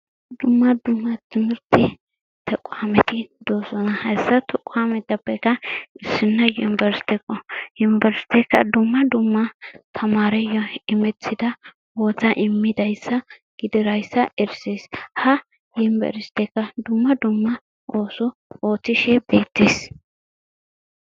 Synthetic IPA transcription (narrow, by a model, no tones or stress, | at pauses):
d̪ʊmːɐd̪ʊmːɐt̪ɪmɪɾt̪ɪ | t̪ʰɛkʼʊamɛt̪ɪd̪oːsɔnɐhɐjsːɐt̪ɛkʼːʊamɛt̪ːɐpːɛkːɐɪsːɪnːɐjʊnbɛɾst̪ɛkʼːɔjʊnbɛɾsɪ̥t̪ɛkːɐ̰d̪ʊmːɐd̪ʊmːɐt̪ʰɐmaːɾɛjɔɪmɛt͡sːɪd̪ɐ | woːt͡sːɐʔɪmːɪd̪ɐjsːɐ | ɡ̥ɪd̪ɪɾɐjsːɐʔɛɾseːshɐ | jɪmbɛ̰ɾst̪ɛkːɐd̪ʊmːɐd̪ʊmːɐ | ʔo̞ːsɔoːt͡sːɪʃɛbe̞ːt̪ːeːs